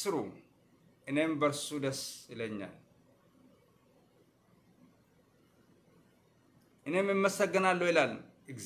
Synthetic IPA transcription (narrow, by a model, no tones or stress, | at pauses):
sɨɾu | ʔɨne̞mbəɾsud̪əsɪləɲːa̰l | ʔɨne̞mɨmːəsəɡːɨnalːəwɪlaln | ɨɡz